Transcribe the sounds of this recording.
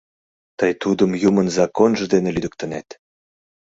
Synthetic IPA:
t̪əjt̪ud̪əmjumənzɑkonʒə̆d̪enĕlyd̪ə̆k̚t̪ə̆net̪

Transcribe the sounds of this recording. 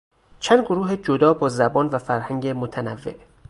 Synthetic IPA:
t͡ʃʰænd̪̚ɡoɾuːɦed͡ʒod̪ɒːbɒːzæbɒːnvæfæɾhæŋɟemot̪ʰænævːe̞̰ʔ

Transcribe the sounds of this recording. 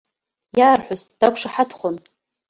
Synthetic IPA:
jaːrħʷʊzd̥akʷʰʂaħatʰχʷon

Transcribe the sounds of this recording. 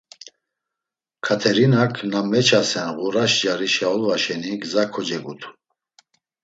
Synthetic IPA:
kʰat̪ʰɛɾinakʰnamɛt͡ʃʰasɛnʁuɾaʃd͡ʒaɾiʃaɔlvaʃɛniɡzakʰɔd͡ʒɛɡut̪ʰu̥

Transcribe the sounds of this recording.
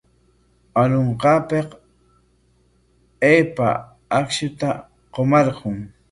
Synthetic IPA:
aloɴqɑːpeq | eːpa̰ | akʃʊt̪a | qomɑɾqʊŋ

